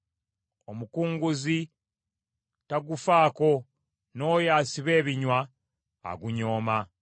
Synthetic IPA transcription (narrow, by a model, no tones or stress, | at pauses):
omukuːŋɡuzi | taɡufaːko̞ | no̞ːjaːsiβe̞ːβiɲwa̰ː | ɡuɲo̞ːma